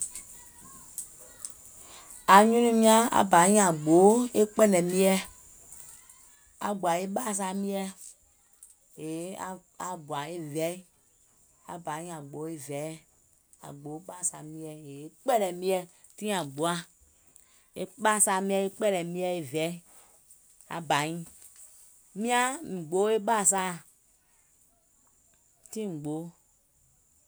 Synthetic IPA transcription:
a˨ɲũ˦nũ˦mĩ˦ã˦a̰˨ba˨˦ĩ˦a˨ɡ͡bo˨˦e˦k͡pɛ˦nɛ̃˨mĩ˦ɛ˦ | a̰˨ɡ͡bu˨a˨e˦ɓa˦˨s̬a˧˨mĩ˦ɛ˦˧ | e˨˦a˦a˨ɡ͡bu˨a˨e˦vɛ˨˦i˦ | a̰˨ba˨˦ɲĩ˦a˨ɡ͡bo˨˦e˦vɛ˨˦ | a̰˨ɡ͡bo˨˦ɓa˦˨sa˨mĩ˦ɛ˦e˨e˦k͡pɛ˦ɾɛ˨mĩ˦ɛ˦ | tĩ˦a˨ɡ͡bu˨a˦ | e˦ɓa˦˨sa˧mĩ˦ɛ˦e˦k͡pɛ˦ɾɛ˨mĩ˦ɛ˦e˨vɛ˨˦ | a̰˨ba˨ɲĩ˦ | mĩ˦a˦mi˨ɡ͡bo˦e˦ɓa˦˨s̬a˦˨ | tĩ˦ŋ͡m̩˨ɡ͡bo˨˦

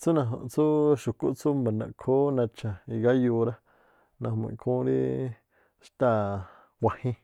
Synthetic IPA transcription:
t͡su˦nã˧ɦõ̰˨ʔt͡su˦ʃu˨ku˦ʔt͡su˦mba˨nã̰˨kʰo˦nã˧t͡ʃa˨i˧˨ɡa˦juː˧ɾa˦ | nã˧ho˧mḭ̃˨kʰũː˦ɾḭ˦ | ʃt̪a˧˨ | wʷa˨hĩ˦

